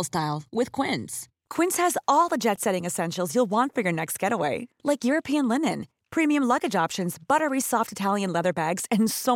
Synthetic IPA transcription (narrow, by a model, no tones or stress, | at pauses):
lˠstaɪlˠwɪð̥kʰw̥ɪ̃ns | kʰw̥ɪ̃nshɨzɔlˠðəd͡ʒɛtsɛɾɪ̃ŋɨsɛ̃nʃl̩ˠzjulˠwɑ̃ntfə˞jə˞nɛkst̚ɡ̥ɛɾəweɪlaɪkjʊɹɨpʰiɨ̃nlɪ̃nɨ̃n | pʰɹ̥imiɨ̃mlʌɡɨd͡ʒɑpʃɨ̃nzb̥ʌɾə˞isɔftɨtʰælˠjɨ̃nlɛðə˞bæɡz̥ɨ̃nso